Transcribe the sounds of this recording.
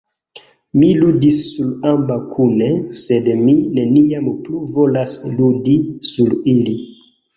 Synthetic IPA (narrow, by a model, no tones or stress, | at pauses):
miludisːulambakʰunese̞dmine̞niampluvo̞lasludisulili